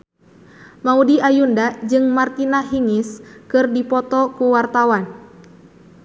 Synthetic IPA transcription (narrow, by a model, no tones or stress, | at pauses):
maudiʔajundad͡ʒɨŋmart̪inaɦiŋiskɨrdipɔt̪ɔkuwart̪awan